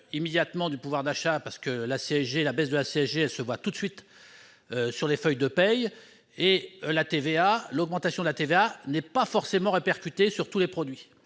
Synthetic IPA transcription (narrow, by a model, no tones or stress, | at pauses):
imed̪jat̪mɑ̃d̪ypuvwaʁd̪aʃapaʁsə̥kəlaseɛʒelabɛsd̪əlaseɛʒeɛlsəvwat̪ut̪sɥit̪ | syʁlefœjd̪əpɛj | elat̪evealɔɡmɑ̃t̪asjɔ̃d̪əlat̪eveanɛpafɔʁsemɑ̃ʁepɛʁkʲyt̪esyʁt̪ulepχɔd̪ɥi